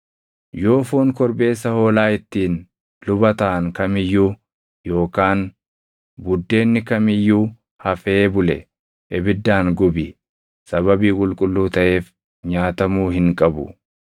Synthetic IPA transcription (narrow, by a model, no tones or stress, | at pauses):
jo̞ːfoːŋkɔɾbe̞ːsːɐho̞ːlaːɪt̪ːiːn | lʊbɐt̪ɐʔɐŋkɐmɪjːuː | jo̞ːkaːn | bʊd̪ːe̞ːnːɪkɐmɪjːuː | hɐfeːbʊlɛ̰ | ʔɪbɪd̪ːaːŋɡʊbɪ | sɐβɐbiːkʼʊlkʼʊlːuːt̪ɐʔe̞ːf | ɲaːt̪ɐmuːɦɪŋkʼɐbʊ̰